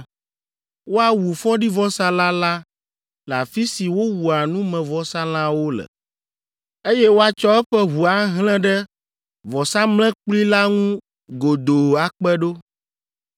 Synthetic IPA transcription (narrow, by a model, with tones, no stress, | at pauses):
wo˦a˨wu˨fɔ̃˦ɖi˦vɔ˦sã˦la˦la˦ | la̰˨fi˦si˨wo˦wu˨a˨nũ˦mɛ̃˨vɔ˦sã˦l̃ã˦wo˦lɛ̰˨ | e˦jɛ˦wo˦a˦t͡ʃɔ˦ɛ˦ɸɛ˦ɦu˨a˦ɦlɛ̃˦ɖɛ˦ | vɔ˨sa˦mlɛ̃˦k͡pli˦la˦ŋũ˦ | ɡo˨d̪o˨a˨k͡pɛ˦ɖo˦